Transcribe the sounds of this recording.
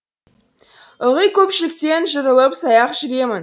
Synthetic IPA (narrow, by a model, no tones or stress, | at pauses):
ʊʁəjkʲʰɵpʃɪlɪkt̪e̞nʒəɾəlˠəpsɑjɑqʒʏɾe̞mɪn